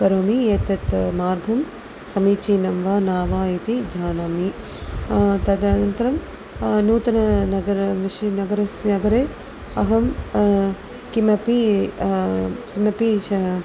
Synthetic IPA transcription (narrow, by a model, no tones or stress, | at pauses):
kɐɾoːmijet̪ɐt̪maːɾɡʱɐm | sɐmiːt͡ʃiːnɐmʋaːnaːʋaːit̪id͡ʒʱaːnaːmi | t̪ɐd̪ɐnɐnt̪ɐɾɐm | nuːt̪ɐnɐnɐɡɐɾʋiʃɐnɐɡɐɾɐsnɐɡɐɾeː | ɐɦɐm | kimɐpi | kimɐpi